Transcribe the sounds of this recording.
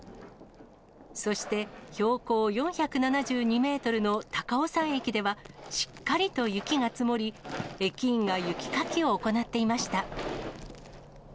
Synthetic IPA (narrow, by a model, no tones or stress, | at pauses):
so̞ɕi̥t̪e̞ço̞ːko̞ːjõ̞ɰ̃çakɯ̟nanaʑɨːɲ̟ime̞ːt̪o̞ɾɯ̟no̞t̪akao̞sãɰ̃ekʲid̪e̞βaɕi̥kːaɾʲit̪o̞jɯ̟kʲiŋat͡sɨmo̞ɾʲie̞kʲĩːŋɡajɯ̟kʲi̥kakʲio̞ːko̞nat̪ːe̞imaɕi̥t̪a